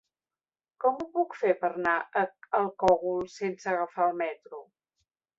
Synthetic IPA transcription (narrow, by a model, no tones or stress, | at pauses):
kɔmupukfepəɾnaəəlˠkɔɣulˠsensəːɣəfaəlˠmɛt̪ɾu